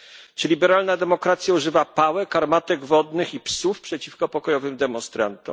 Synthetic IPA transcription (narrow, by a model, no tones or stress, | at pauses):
t͡ʂɘlʲibɛɾalnad̪ɛmɔkɾat̪sʲjauʐɘvapawɛkaɾmat̪ɛɡvɔd̪nɘxipsufpʂɛt͡ɕifkɔpɔkɔjɔvɘmd̪ɛmɔnst̪ɾa̰nt̪ɔ̰m